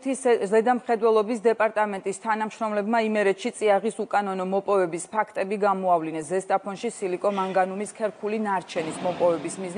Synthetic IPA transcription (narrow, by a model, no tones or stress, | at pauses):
izɛd̪amχɛd̪wɛlˠɔbisd̪ɛpʼaɾt̪ʼamɛnt̪ʼist̪ʰanamʃɾɔmlɛbmaimɛɾɛt̪ʃit̪sʼiaʁisukʼanɔnɔmɔpʼɔvɛbispʰakʰt̪ʼɛbiɡamɔavlinɛszɛst̪ʼapʰɔnʃisilikʼɔmaŋɡanumiskʰɛɾkʰulinaɾt͡ʃʰɛnismɔpʼɔvɛbismizn